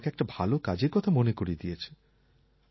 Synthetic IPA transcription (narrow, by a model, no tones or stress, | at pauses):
keɛk̚ʈabʱalokad͡ʑeɾkɔt̪ʰamonekoɾid̪ijet͡ɕʰe̥